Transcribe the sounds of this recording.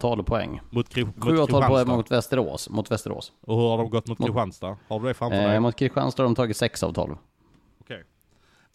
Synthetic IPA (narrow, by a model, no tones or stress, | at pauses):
t̪ʰɑːlpʰɔɛ̰ŋːmʊt̪ʰɧʉːaːt̪ɑlpɔmʊt̪vɛst̪əɾo̰ːsmʊt̪vɛst̪əɾo̰ːsɔhɵɾhaɖɔmɡɔt̪ːmʊt̪ɾɪɧanst̪ahaɖɵd̪ɛfɾamfmʊt̪̚kʰɾɪɧa̰nst̪ahaɖɔmt̪ʰɑːɡɪt̪sɛksɑ̰ːvt̪ʰɑ̰ːlv | ɔkʰɛj